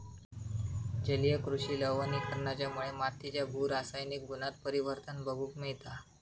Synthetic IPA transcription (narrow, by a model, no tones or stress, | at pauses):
d͡ʑəlijəkɾuɕiːləʋənikəɾɳat͡ɕjamuɭemat̪ʰːit͡ɕjabʱuːɾasajnik̚ɡunat̪̚pəɾiʋəɾt̪ənbəɡʱuːkmiɭt̪a